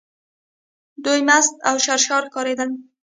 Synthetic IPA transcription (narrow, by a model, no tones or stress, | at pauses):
d̪ujmast̪awʃaɾʃɑɾkɑɾed̪əl